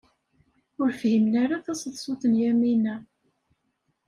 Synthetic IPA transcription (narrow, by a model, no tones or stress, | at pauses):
ʊɾfhimnaɾaθɑsðsˤʊθənjæminæ